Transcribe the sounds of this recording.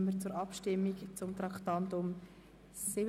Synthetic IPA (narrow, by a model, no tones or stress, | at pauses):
məɾt͡sʊɾɑpʃtɪmːikt͡sʊmt̪ɾɑkt̪ɑntʊm | sɪb